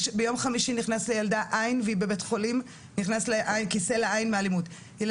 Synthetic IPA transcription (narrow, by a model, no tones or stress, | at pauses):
ʃbejo̞mχamiʃiniχnaslejaldaʔajnveibe̞be̞tχo̞lim | niχnasleʔajnkise̞leajnmealimut | jel